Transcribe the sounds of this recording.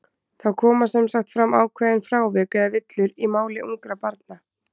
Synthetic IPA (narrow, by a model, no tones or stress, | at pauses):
θawkʰɔːmasɛmsaxt̪fɾamːaːwkʰvɛːðɪnfɾaːwvɛːkɛðavɪt̪lʏɾimaːwlɪʔuŋkɾapaɾt̪̚na